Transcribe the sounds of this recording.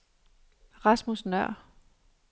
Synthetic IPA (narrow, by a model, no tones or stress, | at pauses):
ʁɑsmusnœɐ̰